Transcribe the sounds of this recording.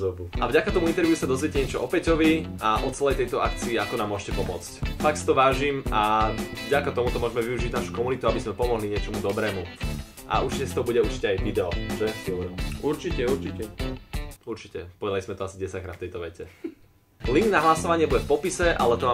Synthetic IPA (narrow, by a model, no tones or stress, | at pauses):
ɔbuavɟakat̪ɔmuint̪ɛɾʋjusad̪ɔzʋiɛcɛɲɛt͡ʃɔʔɔpɛcɔʋiʔaʔɔt͡sɛlɛjt̪ɛjt̪ɔakt͡siːakɔnamːʊɔʒɛcɛpɔmʊɔt͡scfaksi̥t̪ɔʋaːʒimavɟakat̪ɔmut̪ɔmʊɔʒɛmɛʋiuʒiɟnaʃu̥kɔmunit̪uabizmɛpɔmɔɦliɲɪɛt͡ʃɔmud̪ɔbɾɛːmu | ʔa̰uɾt͡ʃicɛst̪ɔɦɔbuɟɛuɾt͡ʃicɛajʋid̪ɛɔʒɛɛfilˠɾuɾt͡ʃicɛuɾt͡ʃicɛ | uɾt͡ʃicɛ̰pɔʋɛd̪alizmɛt̪ɔasiɟɛsac̚kɾaːft̪ɛjt̪ɔʋɛcɛ | liŋɡnaɦlasɔʋaɲɪɛbuɟɛfpɔpisɛʔa̰lɛt̪ɔʋaː